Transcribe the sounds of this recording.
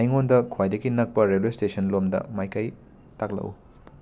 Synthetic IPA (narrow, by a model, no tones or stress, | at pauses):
ajŋondɐkʰwajdɐɡinɐk̚pɐɾelwestesɐnlomdɐ̰majkɐj | tak̚lɐ̰ʔṵ